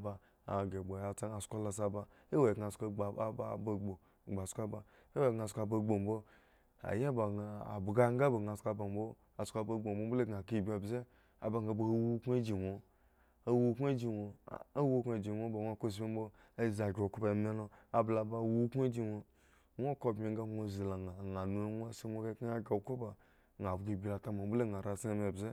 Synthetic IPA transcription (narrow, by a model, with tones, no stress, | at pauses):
ba˧ | a˨ɡe˨ɡ͡bo˨ja˨t͡sa˦a˨skʷo˦la˧sa˧ba˧ | e˦wo˨ɡa˨skʷo˧˦˨ba˦˨bo˧ɡ͡bo˨ | ɡ͡ba˨skʷa˦ba˨ | e˦we˦˨ɡŋa˨˧skʷa˧bo˧ɡ͡bo˨m̩˦bo˦ | a̰˨ja˦ba˨ɡa˨a̰˨bɡa˦ŋ̩˦ɡa˦bo˨ɡa˨skʷa˧ba˨m̩˦bo˦ | a˨skʷa˧bo˧ɡ͡bo˨m̩˨bo˧m̩˦bo˦le˦ɡa˨ki˦i˨bʲi˦a˨bze˦ | a̰˨ba˨ɡa˧˨bo˧˨o˦wu˦kʷo˦d͡ʒi˨wo˨ | a˦wu˦kʷa˦d͡ʒi˨wo˨a˦wu˦kʷa˨d͡ʒi˨ŋʷo˦bo˨ŋʷ˦a˧ko˦s̬bʲi˦m̩˦bo˦ | a˦˨za˨ɡʲo˨ku˦ba˨me˦lo˧a˨bla˨ba˧wu˦kʷe˦d͡ʒi˧ŋʷo˧ | ŋʷo˦ko˦˨bmi˨ŋ˦ɡa˦o˧zi˨la˨ŋa˨ŋa˨nu˨˦ŋʷ˦a˦si˦ŋʷo˦ɡa˦a˦ɡʲa˨ko˦ba˨ | ɡa˨bɡi˦˨bʲi˨la˨ta˦ma˨˦bu˦le˦˨ŋa˨ɾa˨si˦a˧˦m˦e˨bze˦